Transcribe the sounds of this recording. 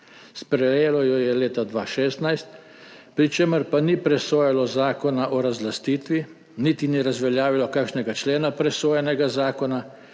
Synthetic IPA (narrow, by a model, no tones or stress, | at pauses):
spɾɛjeːlɔjɔjɛleːt̪ad̪ʋaːʃeːst̪najst̪ | pɾit͡ʃeːməɾpanipɾɛsoːjɛlɔzaːkɔnaʔɔɾazlast̪iːt̪ʋi | nit̪iniɾazʋɛljaːʋilɔkakʃnɛɡat͡ʃleːnapɾɛsoːjɛnɛɡazaːkɔna